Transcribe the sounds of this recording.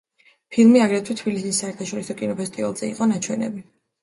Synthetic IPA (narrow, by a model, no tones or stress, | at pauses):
pʰilˠmiaɡɾɛt̪ʰwit̪ʰbilisisːaɛɾt̪ʰaʃɔɾisɔkʼinɔpʰɛst̪ʼivalˠz̥ɛiqʼɔnat͡ʃʰwɛnɛ̰bi